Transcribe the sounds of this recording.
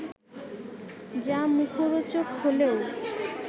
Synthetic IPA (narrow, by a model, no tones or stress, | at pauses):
d͡ʑamukʰoɾot͡ɕokɦoleo